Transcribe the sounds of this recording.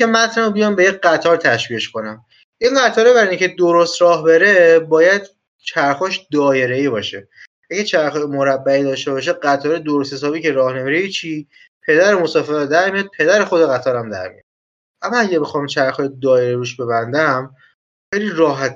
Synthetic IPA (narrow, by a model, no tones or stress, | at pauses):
emæt̪ʰnæobijɒːmbe̞jeɢæt̪ʰɒːɾt̪ʰæʃviːeʃko̞næm | ʔiŋɢæt̪ʰɒːɾebæɾinicʰe̞d̪oɾost̪ɾɒːhbe̞ɾe̞bɒːjæd̪̥ | t͡ʃʰæɾxɒːʃd̪ɒːje̞ɾe̞iːbɒːʃe | ʔæɡæt͡ʃʰæɾxɒːjemoɾæbːæiːd̪ɒːʃt̪e̞βɒːʃ̬eɢæt̪ʰɒːɾed̪oɾost̪hesɒːbiːcʰe̞ɾɒːhne̞miːɾejit͡ʃʰiː | pʰe̞d̪æɾemosɒːfe̞ɾd̪æɾmijɒd̪̚pʰe̞d̪æɾe̞xo̞d̪eɣæt̪ʰɒːɾæmd̪æ̰ɾmḭj̰ɒ̰d̪ | ʔæmːɒæɟæbe̞xɒːmt͡ʃʰæɾxɒːjed̪ɒːjeɾeiɾuːʃbe̞βænd̪æm | xejliːɾɒːɦæt̪ʰ